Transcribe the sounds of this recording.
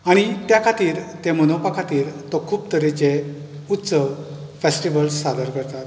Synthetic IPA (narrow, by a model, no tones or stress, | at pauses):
aɽ̃it̪jakʰat̪iːɾt̪emənopakʰat̪iːɾt̪ɔkʰuːp̚t̪əɾet͡ɕe | ut̪ːsəʋ | fesʈiʋəlsːad̪əɾkəɾt̪at̪